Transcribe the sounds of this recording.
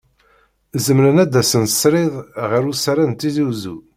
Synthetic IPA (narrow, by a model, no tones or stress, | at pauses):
zəmɾənæd̪æsənsɾɪðˤʁəɾusaɾænt̪iziwzṵ